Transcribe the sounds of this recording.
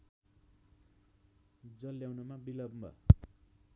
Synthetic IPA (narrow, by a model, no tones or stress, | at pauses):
d͡zʌlːjawnʌmabilʌbmʌ̰